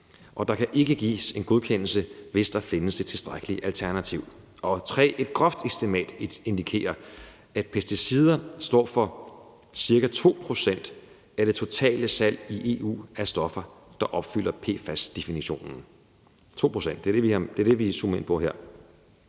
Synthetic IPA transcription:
ʔɒ̽d̥ɑ̈kʰæʔe̝ɡ̥əɡ̥ḭːse̝nɡ̥o̝ð̞ˠkʰen̰l̩səʋe̝sd̥ɑ̈fe̝nəsd̥e̝̥t͡sʰe̝sd̥ʁaɡ̥əliʔælt͡sʰæɐnæt͡sʰiʊ | ʔɒ̽t͡sʰʁɛ̰ːʔe̝d̥ɡ̥ʁɒfd̥ysd̥e̝mɛ̰ːd̥e̝nd̥ikʰe̝̰ːɐ | æd̥̚pʰesd̥isið̞ˠɐsd̥ɒ̰ːfɒ̽ | siɐɡ̥æt͡sʰo̝̰ːpʰʁo̝sen̰d̥ | æɾ̥e̝t͡sʰo̝t͡sʰɛ̰ːləsæl̰iʔe̝ːṵːæsd̥ɒ̽fɐd̥ɑ̈ʔɒ̽b̥fyl̰ɐpʰe̝̰ːfæsd̥e̝finiɕo̝̰ːnn̩ | t͡sʰo̝̰ːpʰʁosen̰d̥e̝ɐd̥e̝ʋiɑd̥e̝ɐd̥e̝ʋisumɐe̝npʰɒ̽ɦeɐ̰

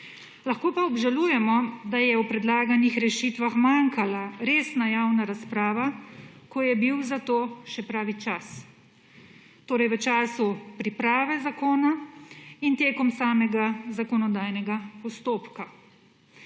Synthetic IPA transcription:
laxkoːpaɔbʒaluːjɛmɔd̪ajɛwpɾɛd̪laːɡanixɾɛʃiːt̪ʋaxmaŋkalaɾeːsnajaːwnaɾaspɾaːʋakɔjɛbiwzat̪oːʃɛpɾaːʋit͡ʃas | t̪oːɾɛjʋət͡ʃaːsupɾipɾaːʋɛzakoːna | int̪eːkɔmsaːmɛɡazakɔnɔd̪aːjnɛɡapɔst̪oːpka

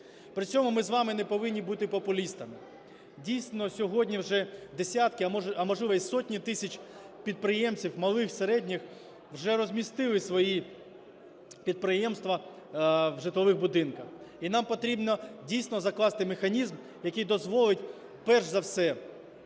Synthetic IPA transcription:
pɾɪt͡sʲɔmʊmɪzʋɑmɪnɛpɔʋɪnʲːibut̪ɪpɔpʊlʲist̪ɐmɪ | dʲijsʲnɔsʲɔɦɔdʲnʲiwʒɛd̪esʲat̪kɪɐɐmɔʒlˠɪʋɐsɔtʲnʲit̪ɪsʲɐt͡ʃʲpʲid̪̚pɾɪjɛmt͡sʲiwmɐlˠɪxseɾɛdʲnʲɪx | wʒɛɾɔzʲmʲist̪ɪlˠɪsʋɔji | pʲid̪̚pɾɪjɛmst̪ʋɐ | wʒɪt̪lˠɔʋɪɣbʊd̪ɪnkɐxinɑmpɔt̪ɾʲibnɔdʲijsʲnɔzɐklˠɑst̪ɪmexɐnʲizm | jɐkijd̪ɔzʋɔlˠɪtʲ | pɛrʒzɐwsɛ

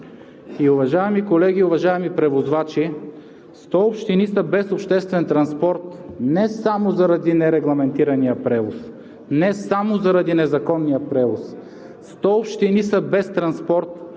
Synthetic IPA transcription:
iʊvɐʒaɛmikolɛɡ̟iʊvɐʒaɛmipɾɛvozvat͡ʃi | st̪ɔopʃt̪inisəbɛsopʃt̪ɛst̪vɛnt̪ɾɐnspɔɾt̪nɛsamozɐɾɐd̪inɛɾɛɡlˠɐmɛnt̪iɾɐnijəpɾɛvos | nɛsamozɐɾɐd̪inɛzɐkɔnːijəpɾɛvos | st̪ɔopʃt̪inisəbɛst̪ɾɐnspɔɾt̪

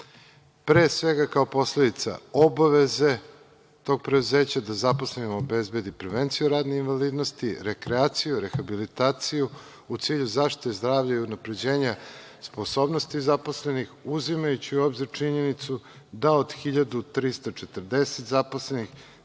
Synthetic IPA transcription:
pɾe̞ːsʋe̞ɡakao̞po̞sle̞d̪it̪sa̰o̞baʋe̞ze̞ | t̪o̞ːɡ̚pɾed̪uze̞ːt͡ɕad̪azapo̞sleimoobe̞zbe̞d̪ipɾeʋent̪sijuɾaːd̪neinʋaliːd̪no̞st̪iɾekɾeaːt̪sijuɾe̞xabilit̪aːt̪siju | ut̪siːʎuzaʃt̪i̥t̪ezd̪ɾaːʋʎaiunapɾe̞d͡ʑe̞ːɲa | spo̞so̞ːbnost̪izapo̞sle̞nixuzimajut͡ɕiuobziɾt͡ʂiɲe̞nit̪sud̪aod̪xiʎad̪ut̪ɾist̪at͡ʃe̞t̪ər̩d̪e̞set̪zapo̞slenix

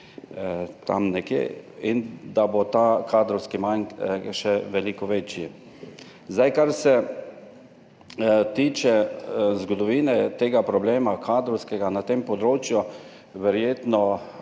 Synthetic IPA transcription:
t̪a̰mnɛkjḛːind̪abot̪aːkʰaːd̪ɾɔwskimaŋʃɛʋɛlikɔʋeːt͡ʃji | zd̪ajkaɾsɛ | t̪iːt͡ʃɛzɡɔd̪ɔʋiːnɛt̪eːɡapɾɔbleːmakʰaːd̪ɾɔwskɛɡanat̪empɔd̪ɾoːt͡ʃju | ʋɛɾjeːt̪nɔ

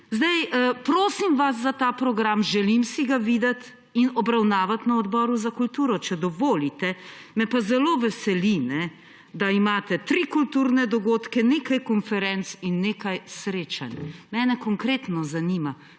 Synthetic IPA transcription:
zd̪ɛjpɾoːsimʋasːat̪aːpɾɔɡɾamʒɛlimsiɡaʋiːd̪ɐt̪ | inɔbɾawnaːʋat̪naɔd̪bɔːɾuzakult̪uːɾɔt͡ʃɛd̪ɔʋoːlit̪ɛmɛpazɛloːʋɛsɛlinɛ | d̪aimaːt̪ɛt̪ɾikult̪uːɾnɛd̪ɔɡoːt̪kɛneːkajkɔnfɛɾɛnt̪sinːeːkajsɾeːt͡ʃanʲmɛːnɛkɔŋkɾeːt̪nɔzaniːma

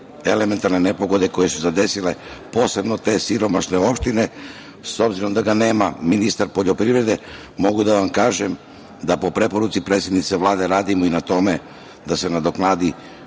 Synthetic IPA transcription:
e̞le̞me̞nt̪aɾnene̞po̞ɡo̞d̪e̞ko̞je̞suzad̪e̞sile̞po̞ːse̞bno̞t̪e̞ːsiɾo̞maʃne̞o̞pʃt̪ine̞ | so̞bziɾo̞md̪aɡane̞ːmaminist̪aɾpo̞ʎo̞pɾiʋɾe̞d̪e̞ | mo̞ɡud̪aʋamkaːʒe̞m | d̪apo̞pɾe̞po̞ɾut̪sipɾe̞ːt̪sjed̪nit̪seʋlˠaːd̪e̞ɾaːd̪imoinat̪o̞me̞ | d̪ase̞nad̪o̞knaːd̪i

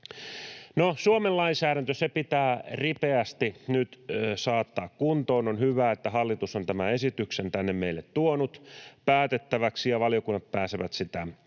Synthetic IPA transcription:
nosuomellɑinsæːɾænt̪øsepit̪æːripeæst̪inyt̪sɑːt̪ːɑːkkunt̪oːnonhyʋæːet̪ːæhɑlːit̪usont̪æmæesit̪yksent̪ænːemmeilːet̪tuonut̪pæːt̪et̪ːæʋæksijɑʋɑljokunːɑt̪̚pæːseʋæt̪sit̪æ

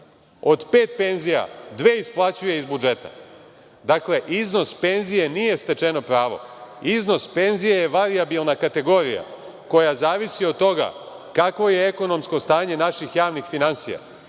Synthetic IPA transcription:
o̞d̪pe̞ːt̪̚pe̞nzija̰d̪ʋeːisplˠat͡ɕuje̞izbud͡ʒe̞t̪a̰ | d̪akle̞ʔizno̞spe̞nzije̞nijest̪e̞t͡ʃe̞no̞pɾaːʋo̞̰izno̞spe̞nzijejeʋaɾiabilˠnakat̪e̞ɡo̞ːɾija̰ | ko̞jazaːʋisiod̪t̪o̞ɡa̰ | kakʋo̞je̞eko̞no̞msko̞st̪aːɲe̞naʃixjaːʋnixfinansija̰

